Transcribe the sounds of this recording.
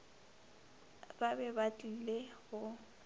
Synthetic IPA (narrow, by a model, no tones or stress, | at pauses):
babɛbatʼileɣʊ